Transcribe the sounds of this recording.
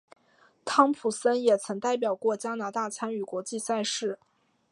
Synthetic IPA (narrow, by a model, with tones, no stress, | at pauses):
t̪ʰɑ˥ŋpʰu˨˩sə˥njɛ˨˩t͡sʰɤ˧˥ŋt̪a˥˩ɪp̬jɑ˨˩ʊkwɔ˥˩t͡ɕja˥na˧˥t̪a˥˩t͡sʰa˥ny˨˩kwɔ˧˥t͡ɕi˥˧sa˥˧ɪʂɻ̩˥˩